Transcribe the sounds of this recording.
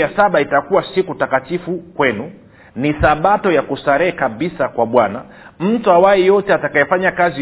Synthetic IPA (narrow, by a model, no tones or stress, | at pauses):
jasaɓaitakuwasikutakatifukwɛnu | nisaɓatɔjakusaɾɛkaɓisakwaɓwana | m̩tuawajɛjɔtɛatakajɛfaɲakazi